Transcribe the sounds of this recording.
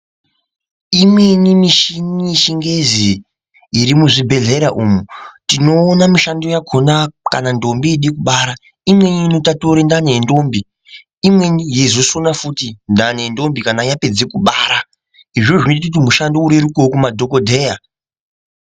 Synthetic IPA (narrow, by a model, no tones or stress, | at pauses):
imwe̞nimiʃiniʃiŋɡe̞ziː | ɾimuʐibʱe̞ɮe̞ɾaʔumutino̞ːnamiʃandojaɡʱo̞naka̰nando̞mbiːɗikuɓaːɾa | imwe̞ninotatoɾendane̞ndo̞ːmbi | imwe̞nijezosonafutindane̞ndo̞mbikanajape̞d͡zekuɓaːɾa | iʐo̞ʐinoit̬ut̬imuʃandouɾeɾukokumadʱo̞ko̞dʱe̞ːja